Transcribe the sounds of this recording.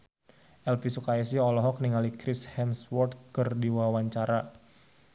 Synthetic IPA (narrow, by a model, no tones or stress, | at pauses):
ʔɛlfisukaisiɔlɔɦɔk̚niŋalikɾɪshɛmswɔrt̪̚kərdiwawaɲt͡ʃaɾa